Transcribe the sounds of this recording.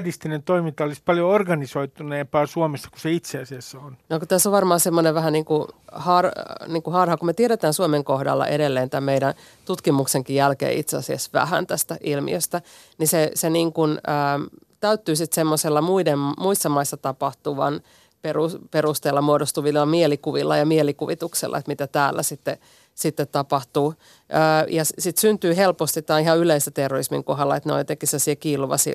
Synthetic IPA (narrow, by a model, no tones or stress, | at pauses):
dist̪inent̪oimint̪ɑolispɑljoorɡɑnisoit̪uneːmpɑːsuomesːɑ̥ku̥seit̪seɑsiɑsːonnokut̪æsːoʋɑrmɑːsemːoneʋʋæhæniːŋkuhɑrniːŋkuhɑrhɑkumet̪ieɾet̪æːnsuomeŋkohdɑ̰lːɑ̰ʔeɾelːeːnt̪æmmeiɾæn | t̪ut̪kimukseŋkijjælkḛːʔḭt̪seɑsiɑsʋæ̰hæ̰nt̪æst̪æʔilmḭøst̪æ | niseseniːŋkunəː | t̪æyt̪ːyːsit̪semːoselːɑmuidemmuisːɑmɑisːɑt̪ɑpɑht̪uʋɑn | perupeɾust̪eːlːɑmuodost̪uʋilːɑmielikuʋilːɑjɑmielikuʋit̪uksḛlːʔɑ̰et̪mit̪æt̪æːlːæ̰sit̪ːe | sit̪ːet̪tɑpɑht̪uː | əːjɑssit̪synt̪yːhelpost̪it̪t̪ːɑːihɑyleisæt̪erːoismiŋkoɦɑlːɑet̪no̰it̪ekːˑisesiekiːluʋɑ̰si